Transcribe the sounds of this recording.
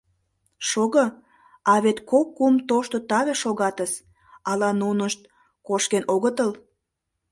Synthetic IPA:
ʃoɣə | ɑβet̪kokːumt̪oʃt̪ot̪ɑβeʃoɣɑt̪əs | ɑlɑnunəʃt̪̚ | koʃkenoɣət̪əl

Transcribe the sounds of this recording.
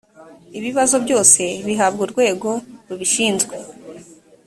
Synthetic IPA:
iβiβazo̞bɟo̞ːse̞βiɦabɡuɾɡwe̞ːɡo̞ɾuβiʃiːnzɡwe

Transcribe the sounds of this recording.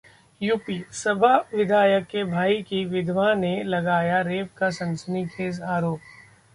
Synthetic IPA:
juːpisɐbʱaʋɪd̪ʱaːjəkːebʱaːikiʋɪd̪ʱʋanelɐɡaːjaɾeːpkasɐ̃nsənikʰeːzaːɾoːp̚

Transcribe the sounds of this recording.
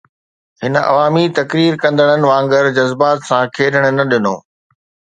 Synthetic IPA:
ɦɪnʔɐ̰ʋaːmit̪ɐkɾiːɾkɐ̃nd̪əɽ̃ənɪ̆ʋãːŋɡəɾd͡ʑɐzbaːt̪sãkʰeːɗəɽ̃ʊ̆nɐɗɪno̰ː

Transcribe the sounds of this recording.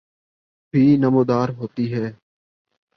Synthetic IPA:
bʱiːnəmoːd̪aːɾɦoːt̪iːɦɛː

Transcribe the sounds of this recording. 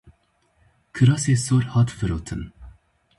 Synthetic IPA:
kʰɨɾɑːseːsoːɾhɑːt̪vɨɾoːt̪ʰɨ̰n

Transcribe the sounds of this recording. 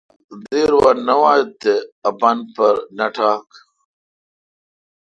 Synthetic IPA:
d̪eːɾwanɐwaːt̪eɐbɐnpɐɾnɐʈʰaːk

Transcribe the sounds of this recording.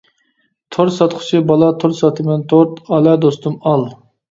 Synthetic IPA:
t̪ʰoɾsɑt̪χʰʊ̥t͡ʃʰibɑlˠɑt̪ʰoɾsɑt̪ʰɨmɨnt̪ʰoɾt̪ɑlɛd̪ost̪umɑlˠ

